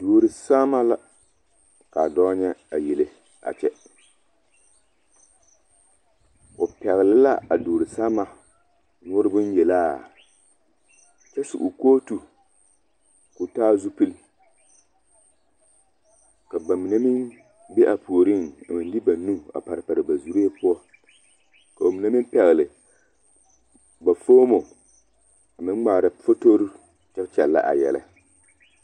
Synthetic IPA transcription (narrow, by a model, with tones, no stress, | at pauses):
doː˨ɾi˨saː˦ma˦la˦ | ka˨dɔː˦ɲɛ˦a˨jɛ˨lɨ˨ | a̰˨t͡ʃɛ˦ | ʊ˨pɛ˨ɣɪ˨lɪ˦la̰˦ʔa˨doː˨ɾɨ˨saː˦ma˨ | ŋʊː˦ɾɨ˦bʊ˦n˦jɛ˨laː˦˨ | t͡ʃɛ˦sɪ̰˨ʔʊ˨koː˦tu˨ | kʊ˨taː˦zu˦pɨ˦l | ka˨ba˨mi˨na˦mɪ˦n | be˦ʔa˨pʰu˨o˨ɾi˦na˨mɨ˨n˦dɪ˦ba˨nu˦a̰˨pa˨ɾɨ˨pa˨ɾɨ˨ba˨zu˨ɾe˦e˦pʊ˦ɔ˦ | ka˨ba˨mi˨na˦mi˦m˦pɛ˨ɣlɨ˨ | ba˨foː˦mo˨ | a˨mɨ˦n˦ŋ͡maː˨ɾa˨fo˦to˦ɾɨ˦ | t͡ʃɛ˦bt͡ʃɛ˨lːa̰˦ʔa̰˨jɛ̰˨la̰˦